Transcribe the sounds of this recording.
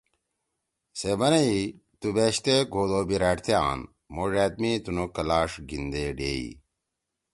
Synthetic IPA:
sebɐnei | t̪ubeːɕt̪eɡʱoːd̪oːbiɾaːʈt̪ʰjaːn | moʐaːt̪̚mit̪unokɐlaːʂɡind̪eːɖḛːḭ

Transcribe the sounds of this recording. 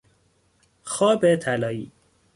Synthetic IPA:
xɒːbet̪ʰælɒːiː

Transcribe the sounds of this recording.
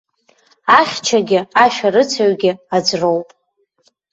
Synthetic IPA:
aχʲt͡ʃʰaɡʲɪaʃᶣarɨt͡sʰaɥɡʲɪad͡zro̞wpʼ

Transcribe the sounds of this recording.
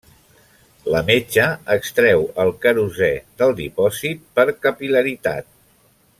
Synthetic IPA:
ləmet͡ʃəəkst̪ɾɛwəlˠkəɾuzɛðəlˠd̪ipɔzit̪̚pəɾkəpiləɾit̪a̰t̪̚

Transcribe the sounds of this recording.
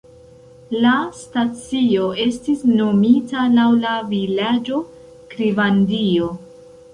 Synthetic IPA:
lastat͡sio̞e̞stisno̞mitalawlavilad͡ʒo̞ | kɾivandio̞

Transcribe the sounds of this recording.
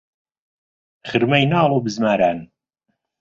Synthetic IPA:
χɨɾmɐjnaːlˠoːbɨzmaːɾaːn

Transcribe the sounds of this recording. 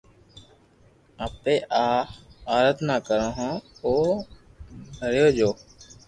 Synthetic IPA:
aːpeːʔaːaːɾət̪naːkəɾõːɦõːoː | bʱəɾjoːd͡ʒoː

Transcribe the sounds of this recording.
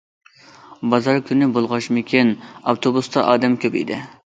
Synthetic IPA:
bɑzɑɾkʲʰynɪbolˠʁɑʃmɪkʲʰinɑft̪ʰobust̪ɑʔɑ̰ːd̪ɛmkʲʰøpḭd̪ɪ̰

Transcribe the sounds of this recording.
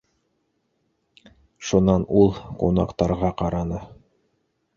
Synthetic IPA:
ʃunɑnulˠqunɑ̰qt̪ɑɾʁɑqɑɾɑnɤ

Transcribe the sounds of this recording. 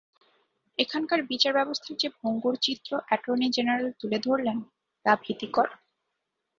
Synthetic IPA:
ekʰankaɾbit͡ɕaɾbɛbost̪ʰaɾd͡ʑebʱoŋɡuɾt͡ɕit̪ːɾoʔɛʈɾonid͡ʑenaɾelt̪uled̪ʱoɾlen | t̪abʱit̪ikɔɾa

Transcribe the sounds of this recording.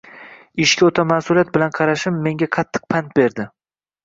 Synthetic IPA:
ɪʃkʲaot̪ʰamasʊlˠijat̪̚bɪlanqʰɑɾaʃɪmːe̞ŋɡʲaqʰɑt̪ʰːɨ̥q̚pʰant̪̚be̞ɾd̪ɪ

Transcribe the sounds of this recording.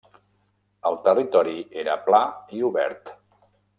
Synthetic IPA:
əlˠt̪ərit̪ɔɾieɾəplaiuβɛ̰ɾt̪

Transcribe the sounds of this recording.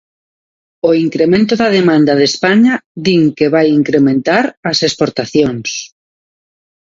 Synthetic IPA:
oiŋkɾemẽnt̪oðɐðemãnd̪aðespaɲaðiŋkeβajiŋkɾemẽnt̪aɾɐsespoɾt̪aθjoŋs

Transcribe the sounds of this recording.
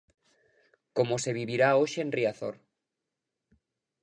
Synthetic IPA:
ko̞mose̞β̞iβiɾaoʃeenriaθo̰ɾ

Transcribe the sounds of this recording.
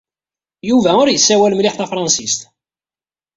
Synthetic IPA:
juvæʊɾjəsːæwælmlɪħθæfɾˤɑnsist̪

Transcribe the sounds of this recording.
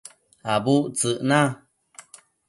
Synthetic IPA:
abuʔt͡sɨʔnã

